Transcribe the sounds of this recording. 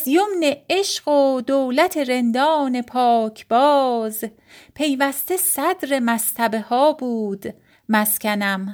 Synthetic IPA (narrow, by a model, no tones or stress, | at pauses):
zjomneeʃɢod̪oːlæt̪ʰeɾe̞nd̪ɒːne̞pʰɒːcʰb̥ɒːz | pʰe̞jvæst̪e̞sæd̪ɾe̞mæst̪ʰæbehɒːbuːd̪̥ | mæscʲʰænæm